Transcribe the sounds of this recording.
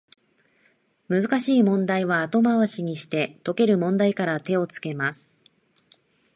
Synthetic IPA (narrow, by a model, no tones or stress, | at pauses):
mɯ̟zɨkaɕiːmõ̞nd̪aiβ̞aːt̪o̞maβaɕiɲ̟iɕi̥t̪e̞t̪o̞ke̞ɾɯ̟mõ̞nd̪aikaɾat̪e̞o̞t͡sɨ̥ke̞masɨ̥